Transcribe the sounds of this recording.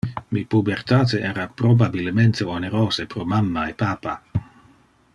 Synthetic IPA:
mipubert̪aːt̪eeːɾapɾobabilment̪eoneɾoːsepɾomamːaepaːpa̰

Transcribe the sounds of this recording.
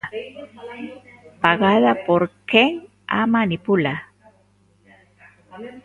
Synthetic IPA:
paɡaðapoɾkeŋ | a̰manɪpʊla

